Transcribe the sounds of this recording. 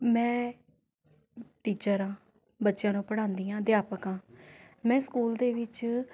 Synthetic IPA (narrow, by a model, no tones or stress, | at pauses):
mɛ̃ː | ʈiːt͡ʃəɾãː | bətːʃjãːnũːpəɽãːnd̪iːãːd̪ɪjaːpəkãː | mɛ̃ːskuːld̪eːʋɪt͡ʃ